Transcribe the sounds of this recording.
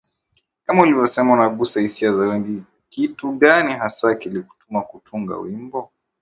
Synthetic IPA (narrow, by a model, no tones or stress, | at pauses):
kamaulivjɔsɛmaunaɠusahisiazawɛŋɡi | kituɠaniɦasakiliku̥tumakutuŋɡa̰wimbɔ